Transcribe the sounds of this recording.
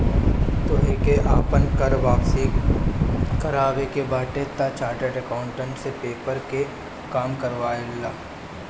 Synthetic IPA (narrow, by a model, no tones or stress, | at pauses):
t̪oːeːkeʔaːpənkɐɾʋaːksi | kəɾaːʋekebaːʈet̪at͡ʃaːʈəɖəkãːʊ̃ɳʈə̃ɳʈsepeːpəɾke | kaːmkɐɾʋaːɪlːaː